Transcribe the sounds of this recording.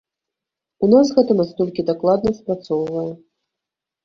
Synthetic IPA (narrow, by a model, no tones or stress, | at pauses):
unasɣɛt̪ɨmast̪ɔlʲkʲid̪aklˠad̪nɐspɾat̪sɔwvɐjɛ